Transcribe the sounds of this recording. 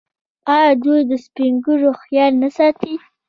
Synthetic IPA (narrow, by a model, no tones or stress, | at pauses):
ɑjɑd̪ujd̪əspiŋɡuʐoxjɑlnasɑt̪i